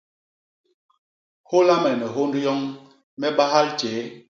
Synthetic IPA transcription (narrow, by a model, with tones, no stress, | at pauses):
ho˦la˦mɛ˨nɛ˨ɦo˦ndu˦jɔ˦ŋ | mɛ˦ɓa˦ɦa˦lt͡ʃɛː˨˦